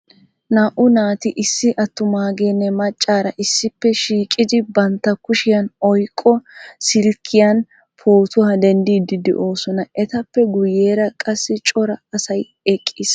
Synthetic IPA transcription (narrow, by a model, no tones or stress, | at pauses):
naːʔʊnaːt̪ɪʔɪsːɪʔɐt̪ːʊmaːɡeːnːɛmɐt͡ʃʼːaːɾɐʔɪsːɪpːɛʃiːkʼɪd̪ɪbɐnt̪ːɐkʊʃɪjɐnɔjkʼːɔsɪlkʰːɪjɐn | pʰo̞ːt̪ʊhɐd̪ɛnd̪iːd̪ɪd̪ɛ̰ʔo̞ːsɔnɐɛt̪ɐpːɛɡʊjeːɾɐkʼɐsːɪt͡ʃʼɔɾɐɐsɐj | ɛkʼːis